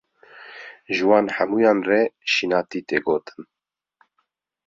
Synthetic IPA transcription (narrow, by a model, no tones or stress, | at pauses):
ʒɨwɑːnħæmuːjɑːnrɛʃinɑːt̪iːt̪eːɡoːt̪ɨ̥n